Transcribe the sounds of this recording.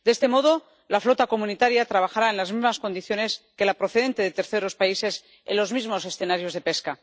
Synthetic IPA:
d̪eest̪e̞mo̞ðo̞ | laflo̞t̪ako̞mũnit̪aɾjat̪ɾaβ̞axaɾaenlazmizmasko̞nd̪iθjo̞ne̞ske̞lapɾo̞θe̞ðe̞nt̪eðe̞t̪eɾθe̞ɾo̞spaise̞s | ḛnlo̞zmizmo̞se̞sθe̞naɾjo̞zðe̞pe̞ska

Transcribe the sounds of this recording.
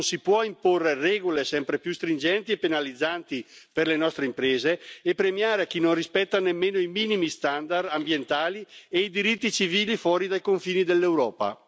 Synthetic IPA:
nsipwɔimporːerɛːɡolesɛmpɾepjust̪ɾind͡ʒɛnt̪iepːenalid̪zːant̪iperlenɔst̪ɾeimpɾeːzeːpːɾemjaːɾeak̟ːinonrispɛt̪ːanemːeːnoimiːnimist̪and̪ard̪ambjent̪aːlieid̪iɾit̪ːit͡ʃiviːlifwɔːɾid̪ajkoɱfiːnid̪elːewɾɔːpa̰

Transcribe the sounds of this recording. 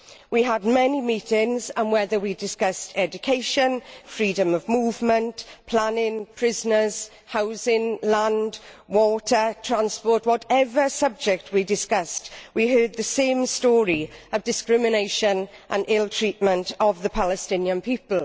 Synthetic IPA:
wiəd̚mɛnimiˑtɪ̃ŋzə̃nwɛðəwidɪskʌstʰɛd͡ʒʊkʰeɪʃə̃nfɹiːdə̃məvmuːvmə̃ntpʰl̥anɪ̃ŋpʰɹ̥ɪznəz̥ | haʊzɪ̃ŋlãnd | wɔˑtʰətʰɹ̥ãnspɔˑtwɒtɛvəsʌb̚d͡ʒɛk̚tʰwidɪskʌstwiɦɜːd̪̚ðəsẽɪ̃mstɔːɹiəvdɪskɹɪmɪneɪʃə̃nʔə̃nɪlˠtʰɹ̥iˑʔmə̃ntʰəvðəpʰalɛstɪ̃njə̃npʰiˑpəlˠ

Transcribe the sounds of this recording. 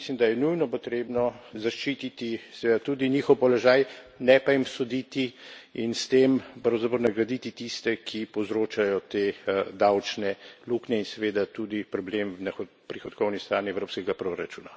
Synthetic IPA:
slimd̪ajɛnujnɔpɔt̪ɾeːbnɔzaʃt͡ʃit̪it̪isɛʋed̪at̪ud̪iniːxɔwpɔlɔʒaːjnɛpaimsɔd̪it̪iinst̪empɾɐwzapɾɔɾwnaɡɾad̪it̪it̪ist̪ɛkʰipɔwzɾoːt͡ʃajɔt̪ed̪awt͡ʃnɛluknɛinsɛʋeːd̪at̪ud̪ipɾɔblemnax | pɾixɔt̪kɔwnist̪ɾaːniɛwɾoːpskɛɡapɾoɾat͡ʃuːna

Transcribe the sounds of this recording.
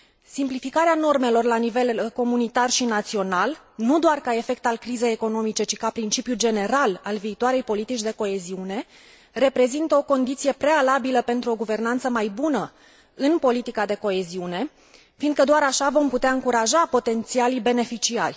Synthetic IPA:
simplifikaɾeano̞rme̞lo̞rlanive̞lko̞munit̪arʃinat̪sio̞nal | nud̪oarkae̞fe̞k̚t̪alkɾize̞jeko̞no̞mit͡ʃe̞t͡ʃi̥kapɾint͡ʃipjud͡ʒe̞ne̞ɾalalviːt̪oaɾe̞jpo̞lit̪it͡ʃʲd̪e̞ko̞e̞ziune̞ | re̞pɾe̞zint̪əo̞ko̞nd̪it̪sije̞pɾe̞alabiləpe̞nt̪ɾuo̞ɡuve̞rnant̪səmajbunə | ɨnpo̞lit̪ikad̪e̞ko̞e̞ziune̞ | fiːnd̪kəd̪oaɾaʃavo̞mput̪eaɨŋkuɾaʒapo̞t̪e̞nt̪sialibe̞ne̞fit͡ʃia̰rʲ

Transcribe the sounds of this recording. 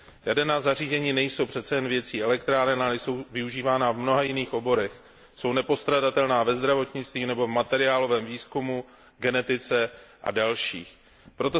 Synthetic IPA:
jadɛnaːzariːzɛɲiːnɛjso̞wpr̝̥ɛt̪t͡sɛjɛnvjɛtt͡siːɛlɛkt̪ɾaːɾɛnalɛjso̞wvɪuʒiːvaːnavmno̞ɦajɪniːxʔo̞bo̞ɾɛx | so̞wnɛpo̞st̪ɾadat̪ɛlnaːvɛzd̪ɾavo̞t̪ɲɪt͡st̪viːnɛbo̞vmat̪ɛɾɪaːlo̞vɛːmviːskumu | ɡɛnɛt̪ɪt͡sɛʔa̰dalʃḭːx | pɾo̞t̪o̞

